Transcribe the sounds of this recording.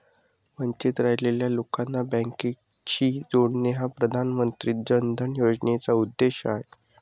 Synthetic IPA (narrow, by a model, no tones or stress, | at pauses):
məɲt͡ɕit̪ɾaɦleljalokanːabə̃ŋki | t͡ɕiːd͡zoɳneɦapɾəd̪ʱanmənt̪ɾiːd͡ʑənd̪ʱənjod͡ʑnet͡saud̪ːeɕəaɦe